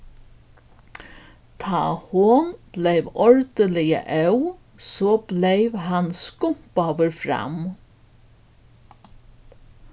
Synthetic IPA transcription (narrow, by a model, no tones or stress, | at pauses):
t̪ʰa̰ːhʊnb̥lejʋɔɹd̪əlɪjə̰ʔœw | soːblejʋɦanskʊm̥paʋəɾfɾa̰m